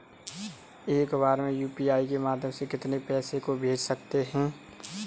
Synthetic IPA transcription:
eːkbaːɾmẽjuːpiaːikemaːd̪ʱjəmsekɪt̪nepɛːsekobʱeːd͡ʒsɐk̚t̪eɦɛ̃ː

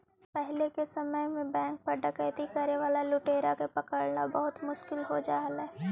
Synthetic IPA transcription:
pɛɦlekesɐməjmẽbɛ̃ːŋk̚pɐɾɖɐkəjt̪ikɐɾeʋaːlalʊʈeːɾakepɐkəɽnabɐɦʊt̪mʊʃkɪlɦod͡ʒaːɦəlɛː

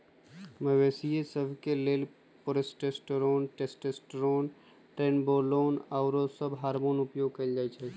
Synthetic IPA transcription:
məʋeːsijesəbʱkeleːl | pʊɾesʈesʈɾoːnʈeːsʈesʈɾoːn | ʈɾeːnboːloːnaːʊɾosəbɦaːɾmoːnʊpjoːɡ̚kɐid͡ʒaːit͡ʃʰɛ

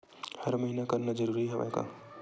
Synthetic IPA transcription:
hɐɾmɐɦiːnakɐɾnad͡ʒɐɾuːɾiɦɛʋa̰jka̰

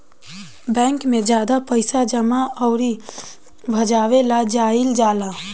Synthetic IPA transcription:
bɛ̃ːŋkmẽd͡ʒjaːd̪apəɪsad͡ʒəmaɔʊɾi | bʱɐd͡ʒaːʋelad͡ʒaːɪld͡ʒaːlaː

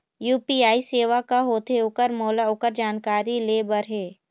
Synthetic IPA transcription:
juːpiaːiseːʋakaɦoːt̪eʊkəɾmoːlaʊkəɾd͡ʒaːnkaːɾileːbəɾɦeː

